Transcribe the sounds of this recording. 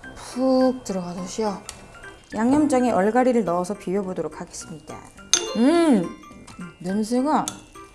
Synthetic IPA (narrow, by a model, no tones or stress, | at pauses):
puk̚t͈ɯɾʌɣadoɕʰiʌ | jaŋjʌmd͡ʑ͈aŋeʔʌɭɡaɾiɾɯɭnʌːsʰʌpiɥjʌbodoɾokʰaɡe̞s͈ɯmɲida̰ɯ | nensʰɯɡa